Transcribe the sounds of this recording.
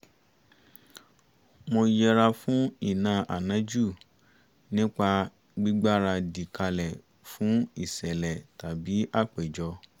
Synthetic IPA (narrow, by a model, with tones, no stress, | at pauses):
mõ˧jɛ˧ɾa˧fũ˨˦i˦˨nãː˨˦ʔa̰˨nã˨˦d͡ʒu˦˨ | nĩ˦k͡pa˧ | ɡ͡bi˦ɡ͡ba˦ɾa˧di˨ka˧lɛ˨ | fũ˨˦i˦˨sɛ˨lɛ˨ta˨bi˨˦ʔa˦˨k͡pe˨d͡ʒɔ˧